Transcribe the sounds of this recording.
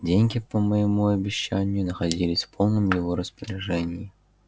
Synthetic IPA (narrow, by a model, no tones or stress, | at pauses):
dʲenʲkʲɪpəməjimuɐbʲɪɕːanʲːʊnəxad͡zʲilʲɪsʲfpʰɔlˠnɨmjɪvɔɾəspəɾʲɪʐɛnʲɪji